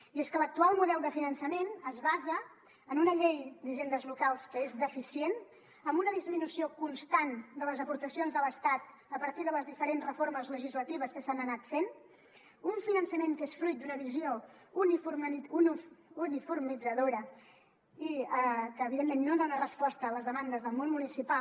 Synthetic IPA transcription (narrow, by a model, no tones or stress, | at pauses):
ieskələk̚t̪ualˠmuðɛlˠd̪əfinənsəmenəzβazəː | nunəʎejd̪əʒend̪əzβukalˠskəezðəfisien | əmbunəðizminusiokunst̪and̪ələzəpuɾt̪əsionzðələst̪at̪ | əpəɾt̪iðələzðifəɾenzrəfoɾrməzləʒizlət̪iβ̞əskəsanənat̪fen | uɱfinənsəmeŋk̪esfɾujt̪̚d̪unəβiziounifuɾmuniunifuɾmid͡zəðoɾə | iəkəːβ̞iðemːenːod̪onərəspɔst̪əːləzðəmand̪əzðəlˠmonmunisipa